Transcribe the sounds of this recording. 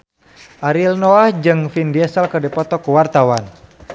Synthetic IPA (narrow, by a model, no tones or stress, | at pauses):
ʔaɾilnɔahd͡ʒɨŋfindiɛsəlkədɛpɔt̪ɔkuwart̪awan